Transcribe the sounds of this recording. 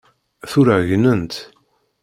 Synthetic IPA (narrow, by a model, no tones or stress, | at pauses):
θʊɾæʝnənt̪